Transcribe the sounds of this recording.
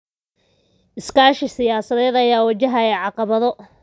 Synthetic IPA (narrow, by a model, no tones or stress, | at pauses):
ʔɪskaːʃɪsɪjaːsɐðɛːd̪ɐjaːwɐt͡ʃɐɦɐɛːʕɑqɑβɐðɔ